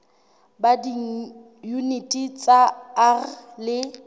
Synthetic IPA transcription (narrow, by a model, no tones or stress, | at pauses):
badi | junitʼit͡sʼaarlɪ